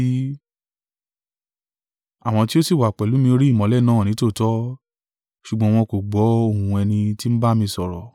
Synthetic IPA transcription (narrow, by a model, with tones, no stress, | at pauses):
a˨w̃ɔ̃˧ti˦o˦si˦˨wa˨k͡pɛ˨lu˨˦mĩ˧o˧ɾi˦i˦˨mɔ̃˨˦lɛ˦˨nãː˦˨nĩ˨˦to˦˨tɔ˦ | ʃu˨ɡ͡bɔ̃˧˦w̃ɔ̃˧ko˨ɡ͡bɔ˨˦o˦˨hũũ˧ɛ˧nĩ˧ti˦m̩˦ba˦mĩ˧sɔ˨ɾɔ̰˨